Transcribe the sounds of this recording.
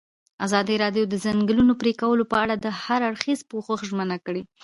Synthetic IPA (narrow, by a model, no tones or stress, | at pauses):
azɑd̪iɾɑd̪jod̪əzaŋɡəlunopɾekawəlopəaɽad̪əhaɾaɽxizpoxəxʒmənakəɽi